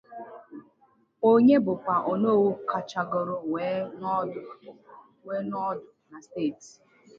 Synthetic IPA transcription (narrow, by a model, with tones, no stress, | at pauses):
o˦ɲe˦bʊ˨kʷa˨ʔo˨no˦˨wu˦ka˨t͡ʃa˨ɡɔ˨ɾʊ˨we˨˦˨ | we˦nɔ˦dʊ˨na˨ste˦˨t